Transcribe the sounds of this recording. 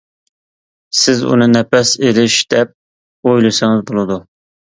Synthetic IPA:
sɪzṵnɨnɛpɛselɪʃd̪̥ɛp̚ | ojlˠɨsɪŋɪzbolˠɨd̪u

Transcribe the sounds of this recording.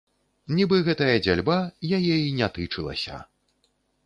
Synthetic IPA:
nʲibɨɣɛt̪ɐjɐd͡zʲalʲbajajɛinʲat̪ɨt͡ʂɨlˠɐ̰sʲɐ̰

